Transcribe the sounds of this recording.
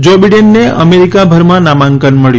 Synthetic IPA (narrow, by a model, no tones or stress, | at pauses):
d͡ʒobiɖenːeə̰meɾikabʱəɾmãnamãŋkənməɭj